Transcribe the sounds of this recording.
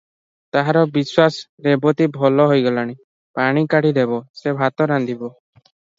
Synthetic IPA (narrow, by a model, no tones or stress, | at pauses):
t̪aɦaɾɔbiswasɾebɔt̪ibʱɔlɔɦojɡɔlaɽ̃i | paɽ̃ikaɽid̪ebɔsebʱat̪ɔɾand̪ʱibɔ